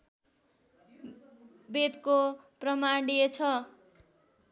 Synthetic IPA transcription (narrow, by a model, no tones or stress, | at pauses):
bed̪koprʌmaɳɖijet͡sʰʌ